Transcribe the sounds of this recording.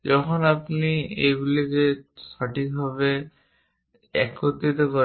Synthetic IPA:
d͡ʒɔkʰɔnapniḛjɡulizesɔʈik̚bʱaβe | ɛ̰kːot̪it̪ɔkɔ

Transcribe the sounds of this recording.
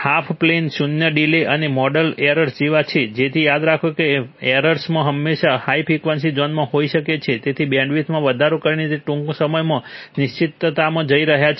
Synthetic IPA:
hapʰplensunjəɖileʔənemɔɖəleɾəɾsd͡ʒiʋat͡ʃʰed͡ʒet̪ʰijad̪ɾakʰokeeɾəɾsmãɦəmːeʃahaipʰikʋənsid͡ʒɔnmãɦoiʃəket͡ʃʰet̪et̪ʰibjãɳɖʋit̪ʰmãʋəd̪ʱaɾokəɾinit̪eʈũŋkosəməjmãnɪʃt͡ʃit̪ːt̪amãd͡ʒəiɾəɦjat͡ʃʰ

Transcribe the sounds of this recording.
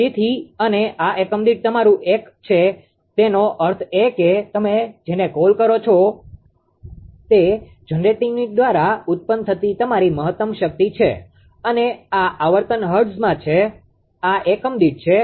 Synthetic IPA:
it̪ʰiəneʔaʔekəmd̪iʈ̚t̪əmaɾũʔekt͡ʃʰe | t̪enoʔəɾt̪ʰeket̪əmed͡ʒenekolkəɾot͡ʃʰo | t̪e | d͡ʒənɾeʈiniʈ̚d̪ʋaɾaʊt̪̚pənt̪ʰət̪it̪əmaɾiməɦət̪ːəmʃək̚t̪it͡ʃʰḛ | əneaʔaʋəɾt̪ənɦəɾɖsmãt͡ʃʰe | aʔekəmd̪iʈ̚t͡ʃʰe

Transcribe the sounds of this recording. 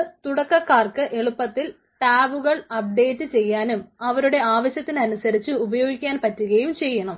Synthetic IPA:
t̪uɽɐkːɐkːaːrkɨʔe̞ɭupːɐt̪ːil | ʈaːʋuɣɐɭɐp̚ɖe̞ːtːɨt͡ɕe̞jːaːnumɐʋɐɾuɽe̞aːʋɐɕjɐt̪ːinɐnusɐɾit͡ɕːɨubɐjo̞ːɡikʲːaːnpɐtːuɣɐjumt͡ɕe̞jːɐɳɐm

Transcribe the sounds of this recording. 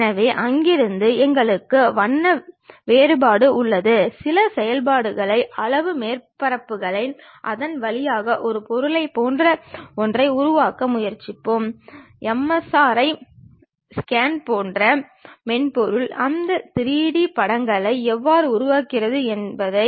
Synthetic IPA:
nɐʋeːʔɐŋɡɪɾɯnd̪ɯɛŋɡɐɭɯkːɯʋɐnːɐʋeːɾɯbaːɽɯʊɭːɐðɯsɪlɐsɛjɐlb̬aːɽɯɣɐɭɐɪʔɐlɐʋɯmeːɾpɐɾɐpːɯɣɐɭɐɪn | ʔɐ̰ðɐnʋɐlɪjaːɣɐʔɔɾɯpɔɾɯɭɐɪpoːndrɐɔndrɐɪʊɾʊʋaːkɐmʊjɐɾt͡ʃːɪpːɯm | ɛmːɐsaːɾɐɪ | skaːnpoːndrɐ | mɛnpɔɾɯɭɐnd̪ɐt̪ɪɾiːɽipɐɽɐŋɡɐɭɐɪɛʋːaːɾɯʊɾʊʋaːkɪrɐðɯɛnbɐðɐɪ

